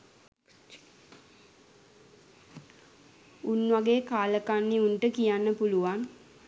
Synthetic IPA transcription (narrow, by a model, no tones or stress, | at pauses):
unʋaɡeːkaːləkanːiuɳʈəkijanːəpuluʋan